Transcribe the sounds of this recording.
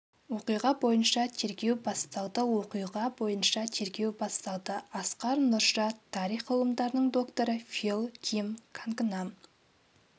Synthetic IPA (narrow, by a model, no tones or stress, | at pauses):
wo̞qijʁɑbo̞jənʃɑt̪ʰe̞ɾkʲe̞wbɑst̪ɑlˠd̪əwoqijʁɑbo̞jənʃɑt̪ʰe̞ɾkʲe̞wbɑst̪ɑlˠd̪əɑsqɑɾnʊɾʃɑt̪ʰːɑɾijχʰəlˠəmd̪ɑɾənəɴd̪o̞kt̪o̞ɾəfʲilˠkʲʰimkʰaŋknam